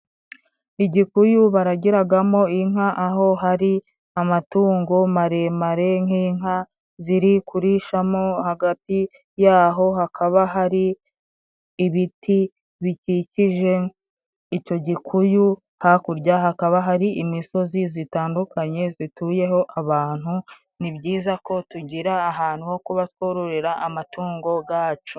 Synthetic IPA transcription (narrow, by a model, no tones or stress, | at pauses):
iɟikujuβaɾaɟiɾaɡamo̞iŋaʔaɦo̞ɦaɾi | amatuːŋɡomaɾe̞ːmaɾe̞ŋ̥iːŋɦa | ziɾikuɾiʃamo̞haɡati | jaːɦo̞ɦakʰaβaɦaɾi | βitʰi | βiciciʒe̞ | ico̞ɟikʰuju | hakuɾɟahakaβaɦaɾiʔimiso̞zizitaːndukʰaɲe̞zituːje̞ho̞ʔaβaːn̥hu | nibɟiːzako̞tuɟiɾaːɦaːn̥huho̞kuβatwo̞ɾoɾeɾaʔːmatuːŋɡo̞ɡaːt͡ʃo